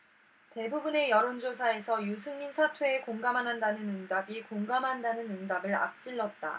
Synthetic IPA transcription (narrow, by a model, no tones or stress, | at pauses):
te̞bubune̞jʌɾond͡ʑosʰae̞sʰʌjus̬ʰɯŋminsʰatʰwe̞ːkoŋɡamɦanɦandanɯnɯndabikoŋɡamɦandanɯnɯndabɯɭa̰p̚t͡ɕ͈iɭːʌt̚t͈a̰